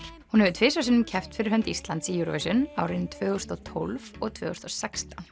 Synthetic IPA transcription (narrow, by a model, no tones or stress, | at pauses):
hunhɛvʏt̪ʰvɪːsas̬ɪnːʏmcʰɛft̪fɪɾɪɾɦœnt̪ist̪lant̪sijuɾɔ̰visʏnawɾɪnt̪ʰvœːɣʏst̪ɔt̪ʰɔlvɔɣt̪ʰvœːɣɔst̪ɔsɛkst̪an